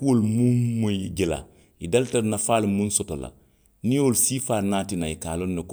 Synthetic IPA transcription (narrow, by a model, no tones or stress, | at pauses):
kuwolmumud͡ʒila̰ | idaltaɾnafaːlimũnsɔtola̰ | nĩolsiːfaːnaːtinaikaːlonːek